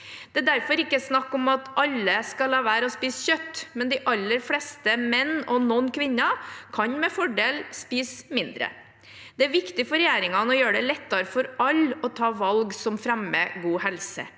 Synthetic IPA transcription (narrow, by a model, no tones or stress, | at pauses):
d̪̥ɛæːd̪æɾfɔɾɪkːəsnɑkːɔmɑt̪ɑlːəskɑlɑːʋæːɾəɔspiːsçœt̪ːmɛnd̪ɪʔɑlːəɾflɛːst̪əmɛnːɔnɔnːkʰʋɪnːɑkʰɑɲmɛfɔɖeːlspiːsmɪnd̪ɾə̰ | d̪̥ɛæɾʋɪkt̪ɪfɔɾɛjæːɾɪŋɑnəɔjøːɖɛlɛt̪ːɑɾəfɔɾɑlːɔt̪ʰɑːʋɑlɡsɔmfɾɛmə̰ɡuːhɛlsə̰